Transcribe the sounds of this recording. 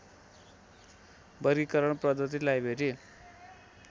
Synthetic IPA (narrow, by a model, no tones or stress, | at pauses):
bʌɾikʌɾʌɳprʌd̪ʌt̪̬ilajbʱeɾi